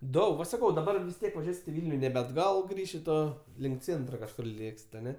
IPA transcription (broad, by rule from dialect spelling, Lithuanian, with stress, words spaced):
ˈdɐʊk ʋɐ sɐˈkɐʊ dɐˈbɐr ʋʲɪs ˈtʲiɛk ʋɐˈʒʲuɔsʲɪt ɪ ˈʋʲɪlʲnʲʊ nʲɛbʲɛ ɐdˈɡɐlˠ ˈʃʲɪtoː ˈlʲɪŋk ˈt͡sʲeːntrɐ kɐʃˈkʊr ˈlʲeːksʲɪt ɐˈnʲɛ